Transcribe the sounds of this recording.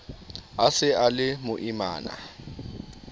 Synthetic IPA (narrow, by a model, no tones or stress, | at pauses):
asɪalɪmʊʔima̰ːna̰